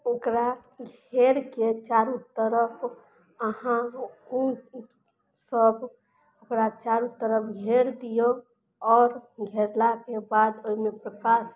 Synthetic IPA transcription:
okɾaɡʱeɾket͡ʃaɾut̪ːəɾəp | əɦãu | səb | okɾat͡ʃaɾut̪ːəɾəpɡʱeɾd̪ijo | ɔːɾɡʱeɾlakebad̪oimepɾəkas

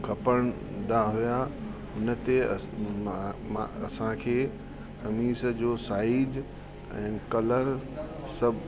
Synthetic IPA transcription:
kʰɐpəɽ̃ | d̪aɦujaɦʊnə̆t̪e | mãɐ̰sãkʰeː | kɐmiːsəd͡ʑoːsaːid͡ʑ | ɛ̰̃ːkɐləɾ | sɐbʱ

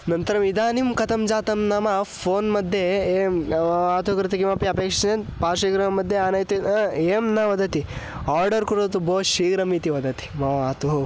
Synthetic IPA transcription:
nɐnt̪ɐɾɐmid̪aːnimkɐt̪ʰɐmd͡ʒaːt̪ɐmnaːmɐpʰoːnmɐd̪ʱːjeːmaːt̪ukɾɪt̪ɐkimɐpiɐpeːkʂɐnenpaːʃiːɡɾɐɐmɐd̪ʱːjeaːnɐjt̪ieːmnaʋɐd̪ɐt̪i | aːɾɖɐɾkuɾoːt̪uboːʃiːɡɾɐmit̪iʋɐd̪ɐt̪i̥mɐʋaːt̪uɦu

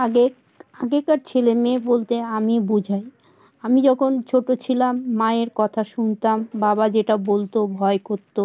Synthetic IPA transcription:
ae | aɡekaɾt͡ɕʰelemebolt̪eamibud͡ʑʱaj | amid͡ʑɔkʰont͡ɕʰoʈot͡ɕʰilamːaeɾkɔt̪ʰaʃunt̪ambabad͡ʑeʈabolt̪obʱɔekoɾt̪ːo

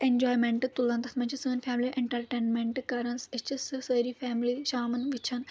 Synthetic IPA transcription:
end͡ʒoːjmẽɳʈɨt̪ulɐ̃nt̪ɐt̪ʰmɐɲt͡ʃʰisəːnfʰæːmliʔeɳʈɐɾʈeːnmeɳʈkɐɾɐnset͡ʃisɨsəːɾifæːmliʃaːmɐnʋit͡ʃʰɐn

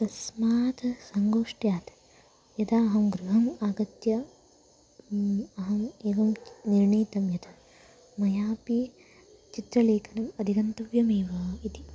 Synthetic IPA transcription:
t̪ɐsmaːt̪sɐŋɡoːʂʈjaːt̪ | jɐd̪ʰaɐɦɐmɡɾuɦɐmaːɡɐt̪jɐ | ɐɦɐmeːʋɐmniɾɳiːt̪ɐmjɐd̪ʰɐ | mɐjaːpi | t͡ʃit̪ɾɐleːkʰɐnɐmɐd̪ʱiɡɐnt̪ɐʋjɐmeːʋɐit̪i

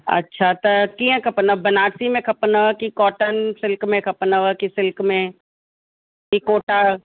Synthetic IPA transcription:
ɐ̰tːʃʰat̪ɐkiãkʰɐpnəʋbɐnaːɾsimẽkʰɐpnəʋkikɔːʈənsɪlkmẽkʰɐpnəʋəkisɪlkmẽ | kikoːʈa

